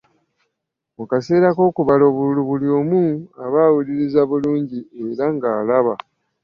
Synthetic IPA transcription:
mukase̞ːɾako̞ːkuβalo̞βuluβuljo̞ːmuaβaːwuliɾizaβuluːɲɟieɾaŋɡaːlaβa̰

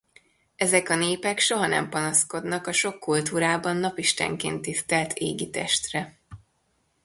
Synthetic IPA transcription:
ɛzɛkɒneːpɛkʃo̞ɦɒnɛ̰mpɒnɒsko̞d̪nɒkɒʃo̞kːult̪uːɾaːbɒnːɒpiʃt̪ɛ̰ŋkḛːnt̪ist̪ɛlt̪ʰeːɡit̪ɛ̰ʃt̪rɛ

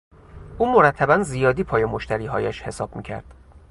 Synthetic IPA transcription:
ʔuːmo̞ɾæt̪ʰːæbænzijɒːd̪iːpʰɒːjemo̞ʃt̪æɾiːɦɒ̰ːjæʃhe̞sɒːb̥mḭːcʰæ̰ɾd̪̥

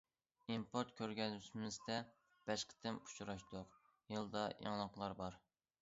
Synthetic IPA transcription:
impʰoɾt̪̚kʲʰøɾɡʲɛzysmɪzd̪ɛ | b̥ɛʃqʰə̥t̪ʰɪmu̥t͡ʃʰuɾɑʃt̪ʊq | jɨlˠd̪ɑjɑ̰ŋlˠəqlˠɑɾbɑɾ

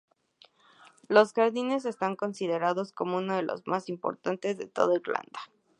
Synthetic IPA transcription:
lo̞sxaɾðine̞s̬e̞st̪aŋko̞nsiðe̞ɾaðo̞sko̞mo̞unoð̞e̞lo̞̰zmasimpo̞̰ɾt̪ant̪e̞zðe̞t̪o̞̰ðaiɾla̰nd̪ḁ

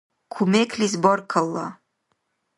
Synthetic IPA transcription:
kʰumekʰlizbɔrkʰalːa

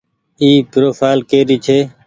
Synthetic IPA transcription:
iːpɾoːfaːlkeːɾiːt͡ʃʰeː

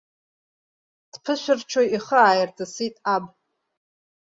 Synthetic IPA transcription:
d̥pʰɨʃʷᶣɪrt͡ʃʰojiχəaːjɪrtʰasitʼab

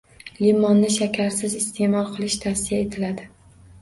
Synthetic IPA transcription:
limɒnːɪʃakʲʰaɾsɪzɪst̪ʰe̞mɒlˠqʰɨlˠɪʃt̪ʰasɪjae̞t̪ʰɪlad̪ɪ

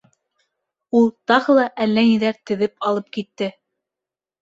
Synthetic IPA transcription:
ulˠt̪ɑʁɤlˠɑʔælːæniðæɾt̪ɘ̆ðɘpɑlˠɤp̚kit̪ːɘ

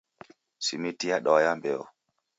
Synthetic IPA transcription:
simitiaɗɔjambɛɔ̰

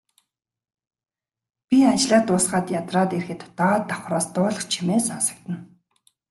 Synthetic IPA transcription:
pʲiat͡ɕɮaːt̪ːʊːsɢaːt̪jat̪raːt̪erxɘ̆t̪t̪aːt̪ːaχraːst̪ʊːɮɞ̆χt͡ɕʰimeːsasə̥̆k̚t̪ə̆n

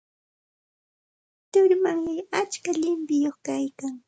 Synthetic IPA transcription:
t̪ʊɾmaŋmɪat͡ʃkaʎɪmpɪjoχkajkaŋ

